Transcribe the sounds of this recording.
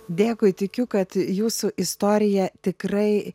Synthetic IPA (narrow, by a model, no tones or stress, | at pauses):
d̪ʲeːkʊɪt̪ʲɪkʲʊkɐt̪juːsʊʔɪst̪oːɾʲɪjɛt̪ʲɪkrɐɪ